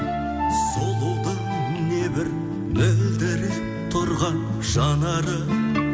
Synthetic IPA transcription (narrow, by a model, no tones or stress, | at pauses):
solˠod̪ə | nebɪɾ | mɪd̪ɪɾɪ | t̪ʰʊɾʁɑn | ʒ̥ɑnɑɾə